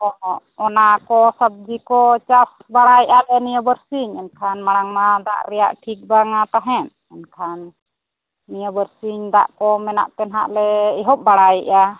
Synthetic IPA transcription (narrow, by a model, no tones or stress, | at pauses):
ɔ | ɔnakɔsab̚d͡ʒikɔt͡ʃas | baɽajʔalɛnijəbəɾsiɲɛnkʰanmaɽaŋmad̪a̰ʔɾɛja̰ʔʈʰik̚baŋat̪aɦɛn | ɛnkʰanː | ijəbəɾsiɲd̪aʔkɔmɛna̰ʔt̪ɛnɦaʔlɛiɦɔp̚baɽajiʔa